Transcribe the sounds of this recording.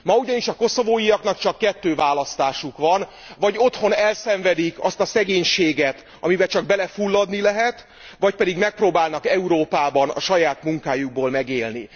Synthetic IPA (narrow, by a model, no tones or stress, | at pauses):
mɒuɟɒniʃɒko̞so̞voːjijɒknɒkt͡ʃɒkːɛt̪ːøːvaːlɒst̪aːʃukʋɒn | vɒɟo̞t̪ho̞nɛlsɛɱvɛd̪ikɒst̪ɒsɛɡeːɲʃeːɡɛt̪ | ɒmibɛt͡ʃɒɡ̚bɛlɛfulːɒd̪nilɛɦɛt̪ | vɒc̚pɛd̪iɡmɛk̚proːbaːlnɒkɛuɾoːpaːbɒnɒ̰ʃɒjaːt̪muŋkaːjuɡ̚boːlmɛɡeːlni